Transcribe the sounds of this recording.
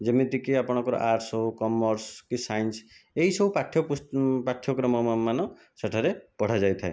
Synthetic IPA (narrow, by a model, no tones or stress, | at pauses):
d͡ʒemit̪ikiapɔɽ̃ɔ̃ŋkɔɾɔ̰ʔaɾsoukɔmɔɾskisajnseɦisɔbupaʈʰːjɔpupaʈʰjɔkɾɔmɔmanɔ | saʈʰaɾepɔɽ̤ad͡ʒajt̪ʰae